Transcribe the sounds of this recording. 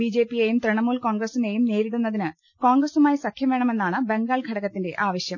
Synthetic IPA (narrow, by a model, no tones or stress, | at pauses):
bid͡ʑe̞ːpːijeːjumt̪riɳɐmuːlko̞ːŋɡrɐsine̞ːjumneːɾiɽunːɐðinɨ | ko̞ːŋɡɾɐsumaːjisɐkʰjɐmʋe̞ːɳɐme̞nːaːɳɨbe̞ŋɡaːlɡʱɐɽɐɣɐt̪ːinde̞ʔaːʋɐɕjɐm